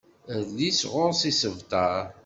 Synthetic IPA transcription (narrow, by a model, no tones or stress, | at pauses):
ðlisʁʊɾsisəvt̪ɑɾ